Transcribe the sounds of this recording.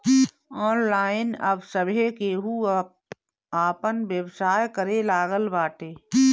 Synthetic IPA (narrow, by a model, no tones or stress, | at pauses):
ɔːnlaːɪnə̰bsəbʱekeːɦu | aːpənʋjəʋsaːjkəɾelaːɡəlbaːʈeː